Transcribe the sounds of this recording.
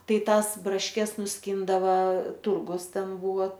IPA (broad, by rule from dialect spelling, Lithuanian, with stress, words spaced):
ˈtɐɪ ˈtɑːs brɐʃʲˈkʲɛs nʊsʲˈkʲiːndɐʋɐ ˈtʊrɡʊs ˈtʲɛn ˈbuːʋɐ